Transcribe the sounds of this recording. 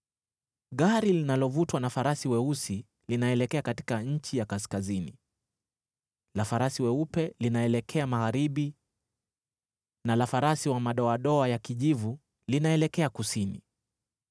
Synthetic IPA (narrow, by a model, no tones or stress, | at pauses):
ɠaɾilinalɔvutwanafaɾasiwɛusi | linaɛlɛkɛakati̥kaɲ̩t͡ʃijakaskazini | lafaɾasiwɛupɛlinaɛlɛkʰɛamaɣaɾiɓi | nalafaɾasiwamaɗɔaɗɔajakiʄivu | linaɛlɛkɛakusinḭ